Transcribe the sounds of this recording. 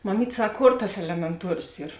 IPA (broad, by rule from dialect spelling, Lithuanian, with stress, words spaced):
mɐˈmʲiːtʲ ˈsɐk ˈkoːr tɐs ɛlʲɛmʲɛnˈtuɔrʲoːs ˈiːr